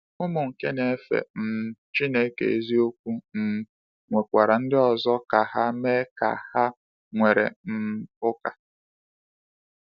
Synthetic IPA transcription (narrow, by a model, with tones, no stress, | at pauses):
ʊ˦mʊ˨ŋ̩˨ke˦ne˨˦fḛ˨n̩˨t͡ʃi˦ne˦kḛ˨e˨zi˦o˦kʷu˦n̩˨ | ŋʷe˨kʷa˨ɾa˨n̩˦dɪ˦ɔ˨zɔ˦ka˨ɦa˦me˦ka̰˨ha˦ | ŋʷe˨ɾḛ˨m̩˦ʊ˦ka˨